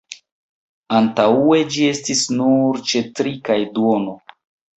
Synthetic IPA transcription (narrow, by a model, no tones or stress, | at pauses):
antaue̞d͡ʒie̞stisnuɾt͡ʃe̞tɾikajduono